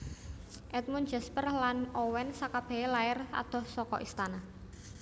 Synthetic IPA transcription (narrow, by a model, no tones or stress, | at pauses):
ʔɛt̪̚mund͡ʒɛspərlanɔwɛnsakab̥ɛ̤elaɪra̰d̪̥ɔ̤hsɔkɔ̰ʔist̪ana